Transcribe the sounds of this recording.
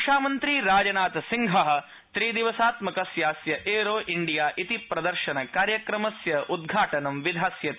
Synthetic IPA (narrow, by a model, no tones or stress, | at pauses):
ʂaːmɐnt̪ɾiːɾaːd͡ʒɐnaːt̪ɐsiŋɡʱɐɦɐ̆ | t̪ɾiːd̪iʋɐsaːt̪mɐkɐsjaːsjɐʔeːɾoːʔiɳɖijaːʔit̪ipɾɐd̪ɐɾʃɐnɐkaːɾjɐkɾɐmɐsjɐʔud̪̚ɡʱaːʈɐnɐmʋid̪ʱaːsjɐt̪